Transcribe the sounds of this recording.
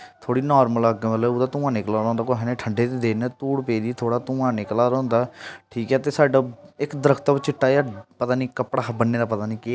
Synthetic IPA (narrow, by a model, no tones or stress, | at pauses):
t̪ʰoːɽiːnɔːɾmələɡməlʊːd̪aːt̪ʊ̃ːãːneːkəlaːɾɔ̃ːnd̪aːkoɦɛnẽːʈʰəɳɖeːt̪ed̪eːnɛ̃t̪uːɽpeːd̪iːt̪ʰoːɽaːt̪ʊːãːneːklaːɾɔ̃ːnd̪aːʈʰiːkɛːt̪eːsaːɖaːɪkd̪əɾəkʰt̪aːbt͡ʃɪʈːaːapət̪aːniːkəpɽaːbənːeːɾaːpət̪aːnĩːke